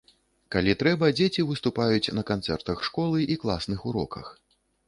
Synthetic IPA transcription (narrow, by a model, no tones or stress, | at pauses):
kalʲit̪ɾɛbɐd͡zʲet͡sʲivɨst̪upajut͡sʲnɐkant̪sɛrt̪ɐxʂkɔlˠɨʔiklˠasnɨxuɾɔkɐ̰x